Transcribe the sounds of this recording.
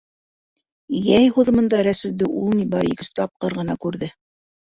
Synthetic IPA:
jæjhuðɤ̆mɤ̆nd̪ɑɾæsɵ̆ld̪ɘʔulˠnibɑɾḭkɘ̆sɘ̥t̪ɑp̚qɤɾʁɤ̆nɑkʉɾðɘ

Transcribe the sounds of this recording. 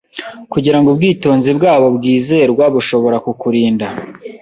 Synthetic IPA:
kuɟiɾaŋɡubɡiːto̞ːnzibɡaːβo̞bɡiːze̞ːɾɡwaβuʃo̞βo̞ɾakukuɾiːnda

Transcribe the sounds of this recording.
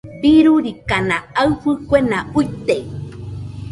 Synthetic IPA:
biɾuɾikanaawfɨkʷenaujt̪ej

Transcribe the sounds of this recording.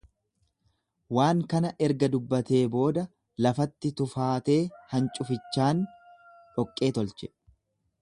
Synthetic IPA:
waːŋkɐnɐʔɛɾɡɐd̪ʊbːɐt̪e̞ːbo̞ːd̪ɐ | lɐfɐt̪ːɪt̪ʊfaːt̪e̞ːhɐnt͡ʃʼʊfɪt͡ʃːaːn | ᶑɔkʼːe̞ːt̪ɔlt͡ʃɛ̥

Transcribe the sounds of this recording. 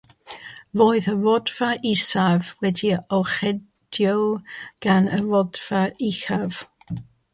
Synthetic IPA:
voːɨðəvɔdv̥aisavwɛdiɔχɛ | d̥jɔwɡ̥anəvɔdv̥aixav̥

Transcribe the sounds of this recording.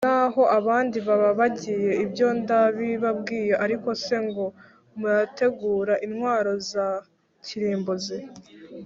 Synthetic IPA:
naho̞ʔaβaːndiβaβaβaɟije̞ibjo̞ndaβiβab̚ɡiːje̞ʔaɾiko̞se̞ŋɡo̞ | muɾate̞ɡuːɾaʔinhwaːɾo̞za | ciɾiːmboze

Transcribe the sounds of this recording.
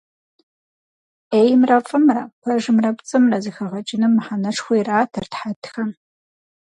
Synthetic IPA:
ejmrɐfʼɨmrɐkʷʰɐʒɨmrɐpʷʼt͡sʼɨmrɐzɨxɐʁɐt͡ʃʼɪnɨmːɨħanɐʂxʷijraːtʰɨrtħatʰxɐm

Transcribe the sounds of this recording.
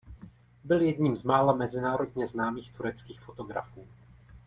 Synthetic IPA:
bɪljɛdɲiːmzmaːlamɛzɪnaːɾo̞dɲɛznaːmiːxt̪uɾɛt͡skiːxfo̞t̪o̞ɡɾa̰fuː

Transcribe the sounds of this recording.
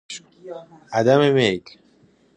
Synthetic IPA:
ad̪amemek

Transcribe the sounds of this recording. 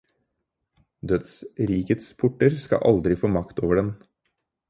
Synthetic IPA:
d̪œd̪sɾiːkət̪spʰʊʈːəɾskɑ̰ʔɑ̰ld̪ɾɪfoːmɑkt̪o̰ːʋəɖɛn

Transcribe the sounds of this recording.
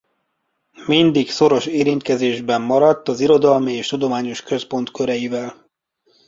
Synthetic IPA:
mind̪ikso̞ɾo̞ʃeːɾint̪kɛzeːʒbɛmːɒɾɒt̪ːɒziɾo̞d̪ɒlmieːʃt̪ud̪o̞maːɲo̞ʃkø̞spo̞nt̪kø̞ɾɛjivɛl

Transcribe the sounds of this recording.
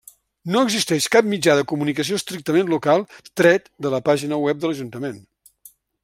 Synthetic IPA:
noəɡzist̪ɛʃkap̚mid͡ʒaðəkumunikəs̬ioəst̪ɾik̚t̪əmenlukalˠt̪ɾɛt̪d̪ələpaʒinəwɛp̚d̪ələʒunt̪əmen

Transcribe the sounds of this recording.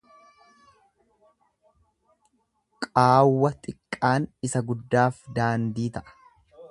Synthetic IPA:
kʼaːwːɐt̪ʼɪkʼːaːnɪsɐɡʊd̪ːaːfd̪aːnd̪iːt̪ɐʔɐ̥

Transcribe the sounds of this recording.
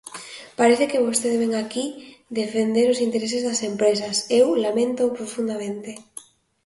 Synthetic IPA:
paɾeθekeβost̪eðeβeŋakid̪efend̪eɾʊsint̪eɾes̬ezðɐsempɾes̬ɐsewlamẽnt̪opɾofund̪amẽnt̪e

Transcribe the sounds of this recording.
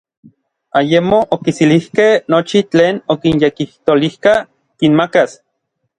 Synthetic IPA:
ajemoʔokisilihkehnot͡ʃit͡ɬeːnokinjekiht̪olihka | kinmakas

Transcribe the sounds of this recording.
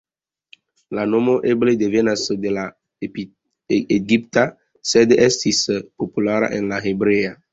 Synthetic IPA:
lanomoʔebled̪evenasd̪ela | eɡip̚t̪a | sed̪eʔɛst̪ispopulaɾa̰ʔẽnlaɦebɾea

